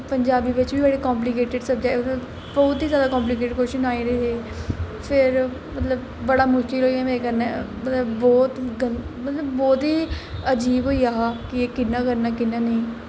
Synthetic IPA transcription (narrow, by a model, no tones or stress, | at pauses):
pəɲd͡ʒaːbiːʋɪt͡ʃbiːbəɽeːkãːmp̬lɪkeːʈɪɖsəbd͡ʒaːmət̪ə | bɔːt̪iːzjaːd̪aːkɔ̃ːmp̬lɪkeːʈkoʃɪnaːĩɾeɦeː | pʰɪɾmət̪ləb | bəɽaːmʊʃkɪlɦoːiãːmeːekəɾnɛ̃ːmət̪ləbːɔːt̪ɡənmət̪ləbːɔːt̪ɦiːəd͡ʒiːbɦoːiːaːakɪeːkɪnːãːkəɾnaːkɪnːaːniː